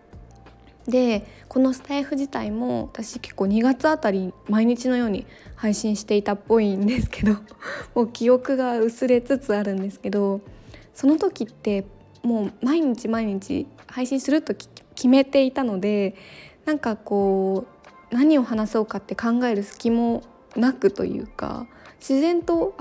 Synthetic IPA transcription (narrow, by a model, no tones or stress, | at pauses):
d̪e̞ko̞no̞sɨ̥t̪aiɸɯ̟ʑit̪aimo̞βat̪aɕike̞̥kːo̞ːɲ̟iɡat͡sɨat̪aɾʲimaiɲ̟it͡ɕino̞jo̞ːɲ̟i | haiɕĩɰ̃ɕi̥t̪e̞it̪apːo̞ind̪e̞sɨ̥ke̞d̪o̞mo̞ːkʲio̞kɯ̟ɡaɯ̟sɨɾe̞t͡sɨt͡sɨaɾɯ̟̃nd̪e̞sɨ̥ke̞d̪o̞so̞no̞t̪o̞kʲit̪ːe̞ | mo̞ːmaiɲ̟it͡ɕimaiɲ̟it͡ɕḭhaiɕĩɰ̃sɨɾɯ̟t̪o̞kʲʰime̞t̪e̞it̪ano̞d̪e̞nãŋkako̞ː | naɲ̟io̞hanaso̞ːkat̪ːe̞kãŋɡae̞ɾɯ̟sɨ̥kʲimo̞ | nakɯ̟t̪o̞̰jɯ̟̰ːka̰ɕizẽ̞nt̪o̞